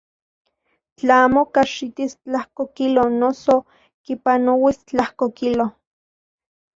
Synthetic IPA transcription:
t͡ɬaaːmokaʃit̪ist͡ɬahkokilonoso | kipanowist͡ɬahkokilo

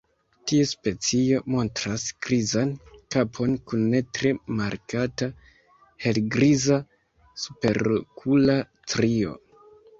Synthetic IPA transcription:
tiespe̞t͡sio̞mo̞ntɾasɡ̥ɾizankapʰo̞nkunːe̞tɾe̞maɾkata | he̞lɡɾiza | su̥pe̞ɾkʰula | tɾio̞̰

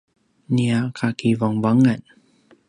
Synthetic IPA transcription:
niakʰakivɔŋvaŋan

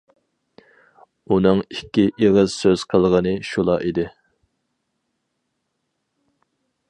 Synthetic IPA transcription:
unɨŋikʲːiʔeʁəzsøz̥qʰəlˠʁənɨʃulˠɑ̰ʔid̪ɪ

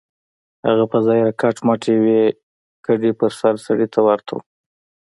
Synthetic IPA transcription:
ha̰ɣapəzɑjɾakɑʈmɑʈʰewe | kaɖepəɾsaɾsaɽit̪ʰawaɾt̪ʰo̰

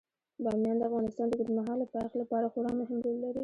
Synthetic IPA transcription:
bɑmjɑnd̪əafɣɑnɪst̪ɑnd̪əɡʊd̪maɦɑlːapaxlapɑɾaxʊɾɑmʊɦɪmd̪ellːaɾi

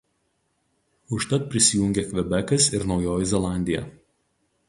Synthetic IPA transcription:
ʊʃt̪ɐt̪̚pʲɾʲɪsʲɪjuŋʲɡʲeːkʋʲɛbʲɛkɐsɪɾnɒʊjoːjɪzʲɛlˠɑˑnʲd̪ʲɪjɛ̰ˑ

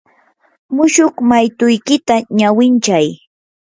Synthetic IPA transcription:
mʊʃʊχmajt̪ʊjkɪt̪aɲawɪnt͡ʃaj

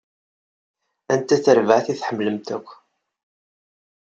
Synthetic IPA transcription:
ænt̪æt͡sːəɾvəʕθiθħəmːləmt̪ækʷː

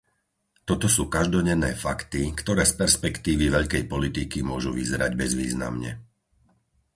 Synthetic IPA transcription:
t̪ɔt̪ɔsuːkaʒd̪ɔɟɛnɛːfakt̪ikt̪ɔɾɛːspɛɾspɛkt̪iːʋiʋɛʎkɛjpɔlit̪ikimʊɔʒuʋizɛɾaɟbɛzʋḭːzna̰mɲɛ̰

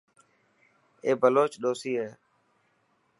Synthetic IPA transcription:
eːbʱəloːt͡ʃɗoːsiːɦeː

